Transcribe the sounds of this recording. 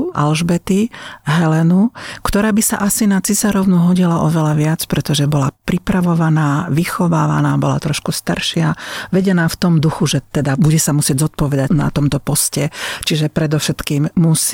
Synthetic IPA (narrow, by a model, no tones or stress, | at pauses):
ʔa̰lʒbɛt̪iɦɛlɛnukt̪ɔɾaːbisa̰ʔasinat͡sizaɾɔʊnuɦɔɟilaʔɔʋɛlaʋɪat͡spɾɛt̪ɔʒɛbɔlapɾipɾaʋɔʋanaːʋixɔʋaːʋa̰naːbɔla̰t̪ɾɔʃkust̪aɾʃɪaʋɛɟɛnaːft̪ɔmd̪uxuʒɛt̪ɛd̪abuɟɛsamusɪɛɟzɔt̪̚pɔʋɛd̪ana̰t̪ɔmt̪ɔpɔscɛt͡ʃiʒɛpɾɛd̪ɔfʃɛt̪kiːmmus